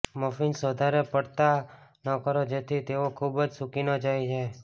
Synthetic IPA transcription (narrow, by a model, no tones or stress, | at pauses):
məfinsʋəd̪ʱaɾepəɽt̪anəkəɾod͡ʒet̪ʰit̪eokʰubd͡ʒsukinod͡ʒajt͡ʃʰe